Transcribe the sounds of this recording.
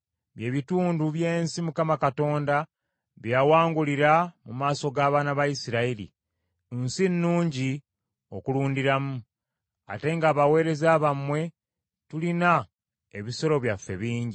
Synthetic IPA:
βje̞ːβituːnduβje̞ːnsimukamakato̞ːnda | βjawaːŋɡuliɾamumaːso̞ɡaːβaːnaβajisiɾailḭ | nsinːuːɲɟi | o̞kuluːndiɾamu | a̰te̞ŋɡaːβawe̞ːɾe̞zaːβamwe̞ | tulina | ḛβiso̞ɾo̞βjafːe̞̰βiːɲɟi

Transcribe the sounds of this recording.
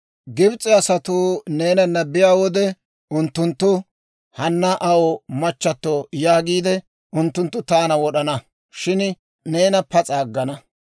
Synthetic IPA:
ɡɪbt͡sʼɪɐsɐt̪uːne̞ːnɐnːɐbɪjaːwɔd̪ɛ | ʊnt̪ːʊnt̪ːʊ | hɐnːɐʔɐwɔmɐt͡ʃːɐt̪ːoːjaːɡiːd̪ɛ | ʊnt̪ːʊnt̪ːʊt̪aːnɐwɔɗɐnɐ | ʃɪn | ne̞ːnɐpɐt͡sʼaːɡːɐnɐ

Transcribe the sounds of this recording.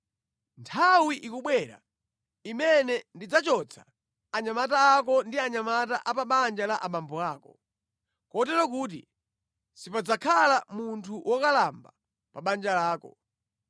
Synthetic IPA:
ntʰawiʔikuɓwɛɾa̰ | imɛnɛndid͡zat͡ʃɔt͡sʰḁ | aɲamataːkɔndiaɲamat̬aʔapaɓand͡ʒalaʔaɓambɔaːkɔ | kɔt̬ɛɾɔk̬uːt̬ḭ | sipad͡zakʰalamuntʰuwʔɔkalamba | paɓand͡ʒalaːkɔ

